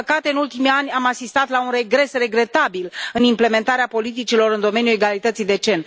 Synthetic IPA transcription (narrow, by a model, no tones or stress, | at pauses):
əkat̪e̞ɨnult̪imianʲamasist̪at̪launre̞ɡɾe̞sre̞ɡɾe̞t̪abilɨnimple̞me̞nt̪aɾeapo̞lit̪it͡ʃilo̞ɾɨnd̪o̞me̞njue̞ɡalit̪ət̪sijd̪e̞t͡ʃe̞n